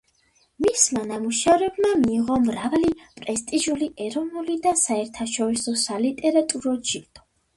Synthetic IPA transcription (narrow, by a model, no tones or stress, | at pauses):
mismanamuʃavɾɛbmamiːʁɔmɾavalipʼɾɛst̪ʼiʒuliʔɛɾɔnulid̪asaɛɾt̪ʰaʃɔɾisɔsalit̪ʼɛɾat̪ʼuɾɔd͡ʒid̪̥ʰʼɔ̥